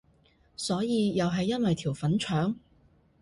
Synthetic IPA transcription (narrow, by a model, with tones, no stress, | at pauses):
sɔː˨˥jiː˨˧jɐ˨wɦɐ˨jːɐ˥nwɐ˨jt̪ʰiː˨˩wfɐ˨˥nt͡ʃʰœː˨˥ŋ